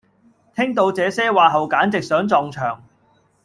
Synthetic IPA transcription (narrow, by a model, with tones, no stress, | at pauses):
t̪ʰɪ˥ŋt̪o˧wt͡sɛː˨˥sɛː˥waː˨˧ɦɐ˨wkaː˨˥nt͡sɪ˨k̚sœː˨˥ŋt͡sɔː˨˧ŋt͡ʃʰœ̰ː˨˩ŋ